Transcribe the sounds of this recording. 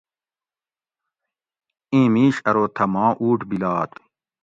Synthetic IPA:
ĩːmiːɕɐɾoːt̪ʰɐmãːʔuːʈbilaːt̪

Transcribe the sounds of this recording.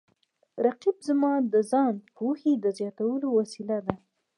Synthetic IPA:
ɾaqibzmɑd̪əzɑnpohed̪əzjɑt̪awəlowasilad̪a

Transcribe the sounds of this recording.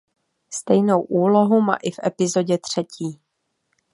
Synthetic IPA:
st̪ɛjnowʔuːlo̞ɦuma̰ːʔɪfʔɛpɪzo̞ɟɛt̪r̝̥ɛciː

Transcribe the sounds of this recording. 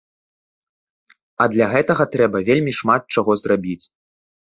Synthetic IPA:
ɐd̪lʲaɣɛt̪ɐɣɐt̪ɾɛbɐvʲelʲmʲiʂmat̪̚t͡ʂaɣɔzrabʲit͡sʲ

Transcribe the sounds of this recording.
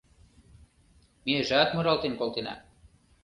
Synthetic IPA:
meʒat̪moɾɑlˠt̪enkolˠt̪enɑ̰

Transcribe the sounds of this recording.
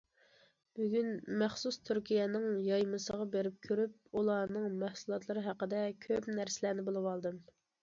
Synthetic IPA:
b̥yɡʲynmæχsust̪ʰyɾkʲijɛnɪŋjɑjmɨsəʁɑbeɾɪp̚kʲʰøɾyp̚ulˠɑːnɨŋmæhsulˠɑt̪lˠɨɾɨɦæqəd̪ɛkʲʰøpnæɾsɪlænɪbolˠɨwɑlˠd̪ɨm

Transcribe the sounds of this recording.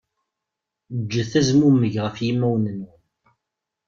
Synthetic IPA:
d͡ʒːəθæzmumːəʝʁəfjimːæwnənːu

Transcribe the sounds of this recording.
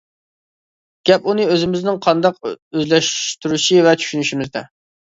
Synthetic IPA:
ɡ̥ʲɛpunɨøzɪmɪznɪŋqʰɑnd̪ɑq̚øzlɛʃt̪yɾyʃivɛt͡ʃʰy̥ʃynyʃimɪzd̪ɛ̰

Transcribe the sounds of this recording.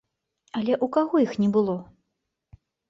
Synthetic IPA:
ɐlʲɛʔukaɣɔjixnʲɛbɨlˠɔ

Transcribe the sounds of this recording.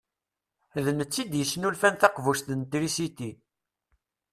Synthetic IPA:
ðənət͡sːid̪jəsːnulfænθɑqvuʃt̪ənt̪ɾisit̪i

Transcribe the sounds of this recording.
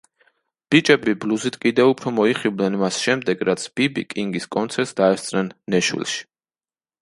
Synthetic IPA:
b̥it͡ʃʼɛbibluzit̪ʰkʼid̪ɛupʰɾɔmɔiχivlnɛnmasʃɛmd̪ɛɡɾat̪sʰb̥ibḭkʼiŋɡiskʼɔnt̪sʰɛɾt̪sd̪aɛst̪sʼnɛnːɛʃwḭlˠʃi̥

